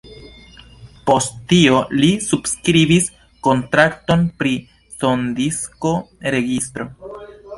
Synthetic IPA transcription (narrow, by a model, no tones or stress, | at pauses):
po̞sttːio̞lisubskɾibis | ko̞ntɾakto̞npɾi | so̞ndisko̞ɾe̞ɡistɾo̞